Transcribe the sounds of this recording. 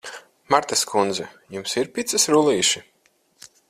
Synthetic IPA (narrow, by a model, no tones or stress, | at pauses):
maɾt̪askʰund̪zɛ | jumsiɾpʲit̪sɨsɾulˠiːʃi